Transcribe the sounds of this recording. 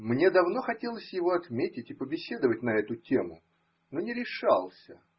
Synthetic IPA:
mnʲe̞d̪ɐvno̞xɐtʲelˠəsʲjɪvo̞ɐt̪mʲetʲɪtʲɪpəbʲɪsʲe̞d̪əvətʲnɐɛt̪ʊtʲe̞mʊ | nonʲɪɾʲɪʂɑlˠsʲə

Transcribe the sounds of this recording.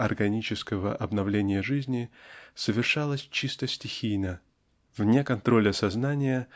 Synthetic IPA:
ɐrɡɐnʲit͡ɕɪskəvəʔɐbnɐvlʲenʲɪjəʐɨzʲnʲɪsəvʲɪrʂalˠəsʲt͡ɕist̪əsʲtʲɪxʲijnə | vnʲekɐnt̪ɾo̞lʲɐsɐznanʲɪjə

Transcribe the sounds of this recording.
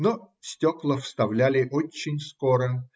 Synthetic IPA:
no | sʲtʲoklˠəfst̪ɐvlʲælʲɪʔot͡ɕːɪnʲskoɾə

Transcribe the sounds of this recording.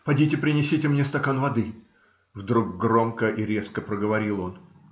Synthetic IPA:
pɐdʲitʲɪpɾʲɪnʲɪsʲitʲɪmnʲe̞st̪ɐkanvɐd̪ɨ | vd̪ɾuk̚ɡɾo̞mkəʔiɾʲe̞skəpɾəɡəvɐɾʲilˠo̞n

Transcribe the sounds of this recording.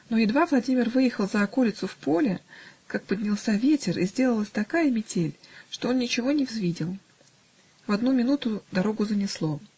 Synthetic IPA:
no̞jɪd̪vavlˠɐdʲimʲɪrvɨjɪxəlˠzəɐkolʲɪt̪sʊfpo̞lʲɪkak̚pədʲnʲɪlˠsʲavʲetʲɪrizʲdʲe̞lˠəlˠəsʲt̪ɐkajəmʲɪtʲelʲʂt̪o̞o̞nnʲɪt͡ɕɪvo̞nʲɪvzvʲidʲɪlˠ | vɐd̪numʲɪnut̪ʊd̪ɐɾo̞ɡʊzənʲɪslˠo̞

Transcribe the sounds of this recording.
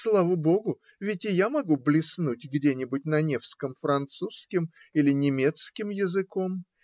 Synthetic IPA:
slˠavəbo̞ɡʊ | vʲɪtʲɪjamɐɡublʲɪsnutʲɡdʲenʲɪbʊt̚ʲnɐnʲe̞fskəmfɾɐnt̪suskʲɪm | ilʲɪnʲɪmʲe̞t̪skʲɪmjɪzɨko̞m

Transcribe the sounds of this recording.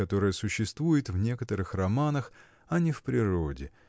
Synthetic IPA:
ɐt̪o̞ɾɨjəsʊɕːɪst̪vujɪt̪vnʲe̞kət̪əɾɨxrɐmanəx | ɐnʲɪfpɾʲɪɾo̞dʲɪ

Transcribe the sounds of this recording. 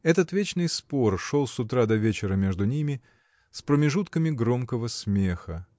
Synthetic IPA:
ɛt̪ət̪vʲet͡ɕnɨjspo̞rʂo̞lˠsʊt̪ɾad̪ɐvʲet͡ɕɪɾəmʲe̞ʐd̪ʊnʲimʲɪ | spɾəmʲɪʐut̪kəmʲɪɡɾo̞mkəvəsmʲexə

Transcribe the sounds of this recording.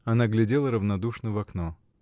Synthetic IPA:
ɐnaɡlʲɪdʲe̞lˠəɾəvnɐd̪uʂnəvɐkno

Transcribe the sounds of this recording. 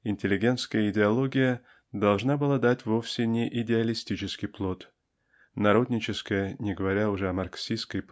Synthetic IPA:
ɪnʲtʲɪlʲɪɡʲe̞nt̪skəjəɪdʲɪɐlˠo̞ɡʲɪjə | d̪ɐlˠʐnabɨlˠad̪atʲvo̞fsʲɪnʲɪʔɪdʲɪɐlʲɪsʲtʲit͡ɕɪskʲɪjplˠo̞t̪ | nɐɾo̞d̪ʲnʲɪt͡ɕɪskəjənʲɪɡəvɐɾʲaʊʐɛɐmɐrksʲiskəjp

